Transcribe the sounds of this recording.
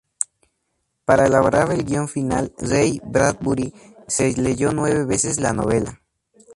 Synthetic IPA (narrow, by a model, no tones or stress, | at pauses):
paɾaelaβoɾaβelɡjo̞ɱfina̰lrejbɾat̪̚buɾi | sezleʝonwe̞βeβesesla̰no̰βe̞la